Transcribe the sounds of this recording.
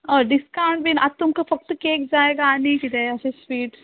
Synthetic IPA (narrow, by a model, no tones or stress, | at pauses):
ɔːɾɖɪskãːɳʈbinat̪ːʊmkafɐk̚t̪keːkd͡ʒaːeːɡaanikid̪eɐt͡ʃesʋiːʈ